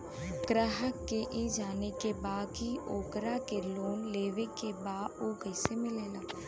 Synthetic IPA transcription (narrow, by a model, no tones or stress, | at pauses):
ɡ̥ɾəɦəkːeʔid͡ʒaːnekebaːkioːkɾakeloːnleːʋekebaːdokəɪsemɪleːlaː